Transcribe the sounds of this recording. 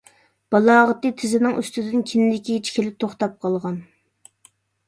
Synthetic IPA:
b̥ɑlˠɑːʁət̪ɨt̪ʰɪzɪnɪŋy̰st̪ɪd̪ɪnkʲʰɪnɪd̪ɪkʲit͡ʃʰi̥kʲʰelɪp̚t̪ʰoχt̪ɑp̚qʰɑlˠʁɑn

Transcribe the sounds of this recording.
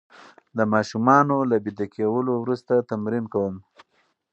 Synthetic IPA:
d̪əmɑʃumɑnolabid̪akewəlowɾust̪at̪amɾinkawəm

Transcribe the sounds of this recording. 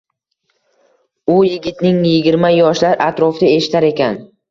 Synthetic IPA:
ʊjɪɡʲɪt̪nɪŋjɪɡʲɪɾmajɒʃlaɾʔat̪ɾɒfd̪ae̞ʃɪ̥t̪ʰaɾe̞kʲʰan

